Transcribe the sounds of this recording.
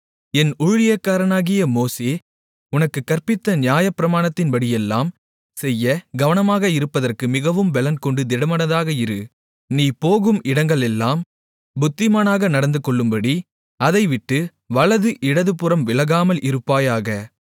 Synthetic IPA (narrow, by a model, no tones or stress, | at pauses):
ɛnʊɻʊlɪjɐkːaːɾɐnaːɣɪjɐmoːseː | ʊnɐkːɯkːɐrpɪt̪ːɐnɪjaːjɐpːɪɾɐmaːɳɐt̪ːɪnbɐɽɪjɛlːaːm | sɛjːɐɡɐʋɐnɐmaːɣɐɪɾɯpːɐðɐrkɯmɪɣɐʋɯmbɛlɐnkɔɳɖɯd̪ɪɽɐmɐnɐðaːɣɐɪɾɯ | niːpoːɣɯmɪɽɐŋɡɐɭɛlːaːm | bʊt̪ːɪmaːnaːɣɐnɐɽɐnd̪ɯkɔɭːɯmbɐɽi | ɐðɐɪʋɪʈːɯ | ʋɐɭɐðɯʔɪɽɐðɯpɯɾɐmʋɪlɐɣaːmɐlʔɪɾɯpːaːjaːɣɐ